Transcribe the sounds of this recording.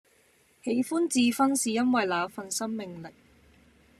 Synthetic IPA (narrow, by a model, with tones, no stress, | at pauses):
he˨˧jfuː˥nt͡siː˧fɐ˥nsiː˨jɐ˥nwɐ˨jlaː˨˧fɐ˧nsɐ˥mːɪ˨ŋlɪ˨k̚